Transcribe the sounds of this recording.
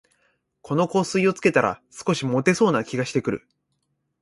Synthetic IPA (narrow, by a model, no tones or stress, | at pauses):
kʰo̞no̞ko̞ːsɨio̞t͡sɨ̥ke̞t̪aɾa̰sɨ̥ko̞ɕimo̞t̪e̞so̞ːnakʲiɡaɕi̥t̪e̞kɯ̟ɾɯ̰